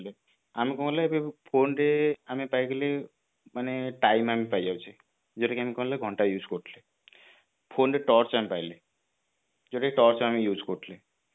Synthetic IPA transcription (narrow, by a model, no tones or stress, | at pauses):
le | amikɔɦũlajbepʰonɾeamepaiɡele | maneʈajmamipajd͡ʒawt͡ʃʰi | d͡ʒoʈekeamikɔɦlaɡʱɔɳʈajuːd͡ʒkɔʈʰle | pʰoɳɾeʈɔɾt͡ʃamẽpajle | d͡ʒoʈekeʈɔɾt͡ʃʰamijuːd͡ʒkɔʈʰle